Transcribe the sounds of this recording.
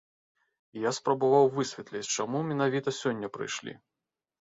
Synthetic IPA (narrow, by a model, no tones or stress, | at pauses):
ijaspɾɐbavawvɨsʲvʲɛt̪lʲit͡sʲt͡ʂamumʲɛn̪avʲit̪ɐsʲɔnʲːɐpɾɨ̰jʂlʲḭ